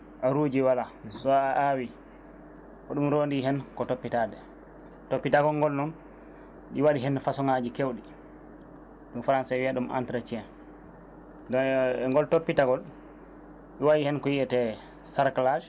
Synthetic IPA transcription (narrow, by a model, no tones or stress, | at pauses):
ʔaɾuːd͡ʒiwalasɔaʔawi | kɔɗumɾondiɦɛnkɔtopːitadɛ | topːitaɡɔlŋɡɔlnɔn | ɗiwaɗiɦɛnfasɔŋad͡ʒikewɗi | ɗumfaɾansawiaɗumʔa̰ntɾat͡ʃiɛn | dɔnɛŋɡɔltopːitaɡɔl | ɗiwaɗihɛnkɔjiɛtɛ | saɾklaʃ